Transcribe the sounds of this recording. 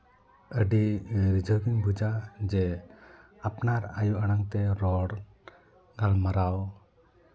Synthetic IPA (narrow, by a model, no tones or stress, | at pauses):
əɖiɾid͡ʒəɡiɲbʱud͡ʒad͡ʒɛ | apnaɾa̰juʔaɽ̃aŋt̪ɛɾɔɽ | ɡalmaɾaw